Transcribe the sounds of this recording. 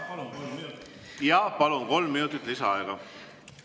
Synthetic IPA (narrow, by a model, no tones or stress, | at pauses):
jɑːpɑlunko̞lmːinut̪ˑit̪ːˑlisɑɑeɡ̥ɑ